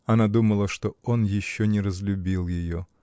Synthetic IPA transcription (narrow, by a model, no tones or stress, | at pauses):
ɐnad̪uməlˠəʂt̪oonjɪɕːonʲɪɾəzlʲʊbʲilˠjɪjo